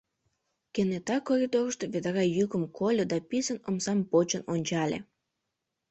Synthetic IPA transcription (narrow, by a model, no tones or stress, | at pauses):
kenet̪ɑkorʲid̪orəʃt̪eβed̪ɑɾɑjykəmkʰolʲəd̪ɑpisənomsɑmpot͡ɕənonʲt͡ɕɑlʲḛ